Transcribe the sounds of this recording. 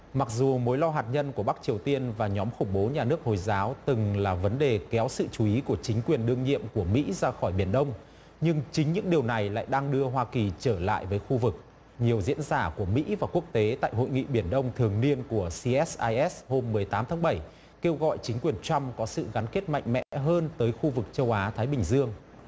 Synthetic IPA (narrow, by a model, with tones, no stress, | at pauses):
ma˨˩k̚zu˨˩mo˨˦jlɔ˧wɦaː˨˩t̚ɲə˧nku˧˩əɓa˦˥k̚t͡ɕi˨˩əwt̪i˧ənvaː˨˩ɲɔ˨˦mxʊ˧˩ŋ͡mɓo˨˦ɲaː˨˩nɨ˦˥ək̚ho˨˩jzaː˨˦wt̪ɨ˨˩ŋlaː˨˩və˨˦nɗe˨˩kɛ˨˦wsɨ̰˧˨t͡ɕu˨˦i˨˦ku˧˩ət͡ɕï˨˦ŋ̟kwi˨˩ənɗɨ˧əŋɲḭ˧˨əmku˧˩əmḭ˧˥zaː˧xɔ˧˩jɓi˧˩ənɗə˧wŋ͡m | ɲɨ˧ŋt͡ɕï˨˦ŋ̟ɲɨ̰˧˥ŋɗi˨˩əwna˨˩jla̰ː˧˨jɗaː˧ŋɗɨ˧əɦwaː˧ki˨˩t͡ɕəː˧˩la̰ː˧˨jvəː˨˦jxu˧vɨ˨˩k̚ | ɲi˨˩əwzḭ˧˥ənzaː˧˩ku˧˩əmḭ˧˥vaː˨˩ku˦˥ək̚t̪e˨˦t̪a̰ː˧˨jɦo̰˧˨jŋḭ˧˨ɓi˧˩ənɗə˧wŋ͡mt̪ʰɨ˨˩əŋni˧ənku˧˩əsi˧ʔɛ˦˥sʔaː˧jʔɛ˦˥sho˧mːɨ˨˩əjt̪aː˨˦mt̪ʰaː˨˦ŋɓə˧˩j | ke˧wɣɔ̰˧˨jt͡ɕï˨˦ŋ̟kwi˨˩ənt͡ɕa˧mkɔ˨˦sɨ̰˧˨ɣa˨˦nke˦˥t̚ma̰˧˨jŋ̟mɛ̰˧˥˧ɦəː˧nt̪əː˨˦jxu˧vɨ˨˩k̚t͡ɕə˧wʔaː˨˦t̪ʰaː˨˦jɓï˨˩ŋ̟zɨ˧əŋ